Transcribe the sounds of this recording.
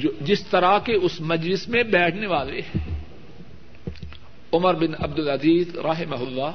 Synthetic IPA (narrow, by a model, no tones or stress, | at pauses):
d͡ʒɪst̪ɐɾakeʊsmɐd͡ʒlɪsmẽbɛːʈʰneʋaːleː | ʊməɾbɪnɐb̚d̪ɪlɐziːzɾɐɦɪmaɦʊlːaː